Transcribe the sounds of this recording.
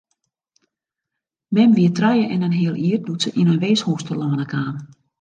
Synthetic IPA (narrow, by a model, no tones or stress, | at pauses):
mɛmʋiətrœjəʔɛnənɦɪəlˠiərdutsəʔinənʋeːshuːstəlɔənəkʰaːm